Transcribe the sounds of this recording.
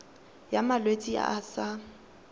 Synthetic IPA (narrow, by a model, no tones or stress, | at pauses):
jamalwet͡sʼia̰ːsa